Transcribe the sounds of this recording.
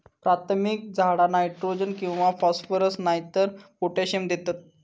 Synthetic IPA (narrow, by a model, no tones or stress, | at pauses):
pɾat̪ʰmik̚d͡zʱaɽanajʈɾod͡ʑənkĩw̃ʋafɔsfəɾəsnajit̪əɾpoʈaɕemd̪et̪at̪̚